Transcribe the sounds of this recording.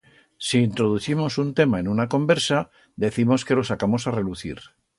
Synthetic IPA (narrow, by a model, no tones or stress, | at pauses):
siːnt̪ɾo̞ðuθimo̞sunt̪e̞mae̞nunako̞mbe̞ɾsa | d̪e̞θimo̞ske̞lo̞sakamo̞sare̞luθḭɾ